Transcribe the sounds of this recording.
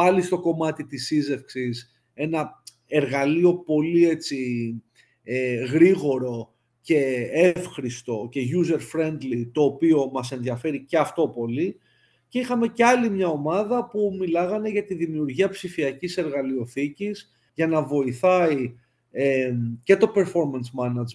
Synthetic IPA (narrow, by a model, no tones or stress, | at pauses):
pɐlist̪o̞ko̞mɐt̪it̪isize̞fksis | e̞nɐ | e̞ɾɣɐlio̞po̞lie̞t͡si | eɣɾiɣo̞ɾo̞ | ce̞e̞fxɾist̪o̞ce̞ʝuze̞ɾfɾe̞nd̪lit̪o̞ːpio̞mɐse̞nðiɐfe̞ɾice̞ɐft̪o̞po̞li | ce̞ixɐme̞ceɐlimɲɐo̞mɐðɐpumilɐɣɐne̞ʝɐt̪iðimiuɾʝiɐpsifiɐcise̞ɾɣɐlio̞θiciz | ʝɐnɐvo̞iθɐi | ece̞t̪o̞pe̞ɾfo̞ɾmɐnsmɐnɐd͡z